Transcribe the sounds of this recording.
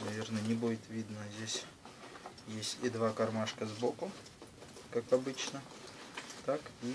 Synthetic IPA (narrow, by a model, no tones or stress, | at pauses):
nɐvʲe̞rnənʲɪbudʲɪt̪vʲid̪nəzʲdʲesʲ | jesʲtʲɪd̪vakɐrmaʂkəzbokʊ | kakɐbɨt͡ɕnə | t̪aki